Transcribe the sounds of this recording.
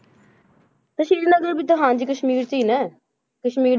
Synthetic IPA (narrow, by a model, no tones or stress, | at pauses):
t̪əʃiːɾnəɡəɾbiːt̪ʊɦãːnd͡ʒiːkəʃmiːɾt͡ʃiːnɛː | kəʃmiːɾ